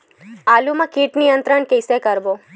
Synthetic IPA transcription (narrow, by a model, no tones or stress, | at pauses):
alumãkiʈnijənt̪ɾəɳkejsekəɾbo